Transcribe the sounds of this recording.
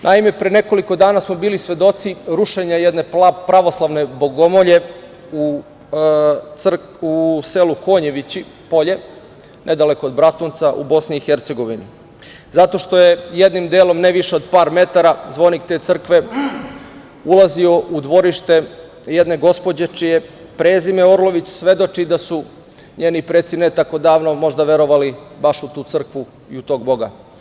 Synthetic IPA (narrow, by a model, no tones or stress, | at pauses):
nʔaime̞pɾene̞ko̞liko̞d̪aːnasmo̞biːlisʋe̞d̪o̞t̪siɾuʃe̞ɲajed̪ne̞pɾaʋo̞slˠaʋne̞bo̞ɡo̞moʎe̞ | u | t̪sr | useluko̞ːɲe̞ʋit͡ɕi | po̞ʎe̞ | nʔed̪aleko̞ːd̪bɾat̪unt̪saʔubo̞sniːxeɾt̪se̞ɡo̞ʋini | zat̪o̞ʃt̪o̞jejed̪nimd̪eːlo̞mneʋiʃeod̪paːɾme̞t̪aɾazʋo̞nikt̪e̞ːt̪sr̩kʋe̞ | ulˠazio̞ʔud̪ʋo̞ɾiʃt̪e | jed̪ne̞ɡo̞spo̞d͡ʑe̞t͡ʃije | pɾeːzimeoɾlˠo̞ʋit͡ɕsʋe̞d̪o̞t͡ʃid̪asu | ɲe̞ːnipɾeːt̪sinet̪ako̞d̪aːʋno̞mo̞ʒd̪aʋe̞ɾo̞ʋalibaʃut̪uːt̪sr̩kʋu | iut̪o̞ːɡ̚bo̞ɡa